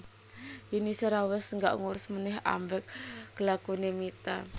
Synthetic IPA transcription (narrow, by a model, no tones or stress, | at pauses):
ʔinisəɾawɛsŋɡa̰ʔŋuɾʊsmənɛɦa̰mbɛk̚ɡ̥əlakunemit̪a